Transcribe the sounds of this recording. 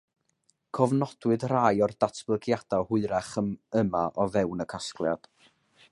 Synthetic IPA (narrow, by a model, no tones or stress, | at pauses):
kʰɔvnɔd̥wɨdraːjɔrdatʰb̥lˠəɡjad̥ahʊɨɾaχəməmaʔɔvɛwnəkʰasklˠja̰d̥